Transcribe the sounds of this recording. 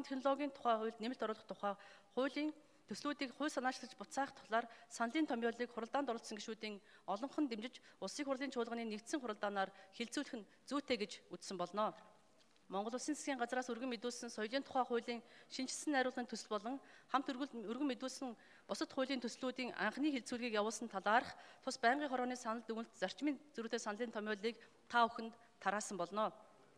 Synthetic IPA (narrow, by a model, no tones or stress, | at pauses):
nt̪ʰexnɔɮɔɣʲiːnt̪ʰʊ̥χæːχʊ̟jɮt̪nemɘ̆ɬt̪ʰɔɾʊːɮɞ̆χt̪ʰʊχæːχʊːɮiːn | t̪ʰɵsɮuːt̪iːkχʊ̟ːɮsanaːʃɮə̆t͡ɕpʊt̪t͡saːχt̪ʰʊ̥χɮaːrsanɮiːnt̪ʰɔmʲjɔːɮiːkχʊɾə̆ɮt̪aːnt̪ɔɾɞ̆ɬsɞ̆ŋɡeʃuːt̪iːŋɔɮɞ̆ɴχɞ̆nt̪emt͡ɕɪ̆t͡ɕʊsiːkχʊrɮiːnt͡ɕʰʊːɮʁə̆niːnekt̪sɘ̆ŋχʊɾə̆ɮt̪aːnaːrxeɮt͡suːɮɘ̆xɘ̆n | t͡suːt̪ʰeːɡet͡ɕut͡ssɘ̆mpɔɮnɔː | mɔɴɢɞ̆ɮʊːsiːnt͡sʰḁsɡʲiːɴɢat͡sraːsɵrɣɘ̆ŋmet̪uːɮsɘ̆nsɔjɮiːnt̪ʰʊ̥χæːχʊjɮiːŋʃint͡ɕʰɪ̆ɮsɘ̆næɾʲʊːɮə̆nt̪ʰɵsɵ̆ɮpɔɮɞ̆ŋχam̥t̪ɵrɣɘ̆ŋmet̪uːɮsɘ̆ŋ | pʊsə̆t̪χʊjɮiːnt̪ʰɵsɮuːt̪iːŋa̰ɴχniːxeɮt͡suːɮɣiːkjawʊːɮsə̆nt̪ʰaɮaːɾə̆χt̪ʰʊspæːɴɢiːŋχɔɾɔːniːsanə̆ɮt̪uɘ̆nt̪t͡sar̥t͡ɕmʲiːnt͡suɾuːt̪eːsanəɮiːnt̪ʰɔmʲʊːɮiːk | t̪ʰauxɘ̆nt̪ʰːaɾaːsə̆mpɔɮnɔː